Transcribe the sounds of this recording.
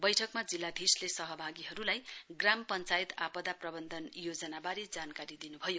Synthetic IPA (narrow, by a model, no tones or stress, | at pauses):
bʌjʈʰʌkmad͡zilːad̪ʱislesʌɦʌbʱaɡiɦʌɾulajɡrampʌnt͡sajt̪apʌd̪aprʌbʌnd̪ʱʌnjod͡zʌnabaɾed͡zankaɾid̪inubʱʌjo